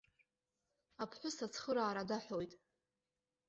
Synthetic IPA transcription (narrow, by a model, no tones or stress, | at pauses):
apʰħʷʊsat͡sʰχəɾaːɾadaħojtʼ